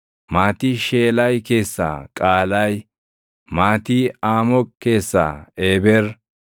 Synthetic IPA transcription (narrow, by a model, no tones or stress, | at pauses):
maːt̪iʃeːlɐjke̞ːsːa̰ːkʼaːlɐj | maːt̪iaːmɔkːe̞ːsːa̰ːeːbɛɾ